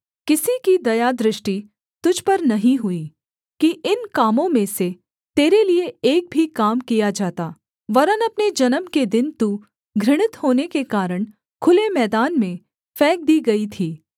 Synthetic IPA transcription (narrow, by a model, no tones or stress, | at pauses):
kɪsikid̪ɐjad̪ɾɪʃʈi | t̪ʊd͡ʒʱpɐɾnɐɦĩɦʊiː | kiʔɪnkaːmõmẽse | t̪eːɾelieeːk̚bʱikaːmkijad͡ʒaːt̪aː | ʋɐɾənɐpned͡ʒɐnəmked̪ɪnt̪uː | ɡʱɾɪɽ̃ɪt̪hoːnekekaːɾəɽ̃ | kʰʊlemɛːd̪aːnmẽ | fɛːk̚d̪iːɡɐit̪ʰiː